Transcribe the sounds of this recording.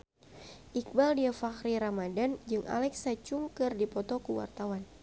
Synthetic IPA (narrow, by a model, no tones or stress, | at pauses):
ʔik̚baldiafaxɾiɾamadand͡ʒɨŋʔa̰lɛksat͡ʃuŋkɨrdipɔt̪ɔkuwa̰rt̪awan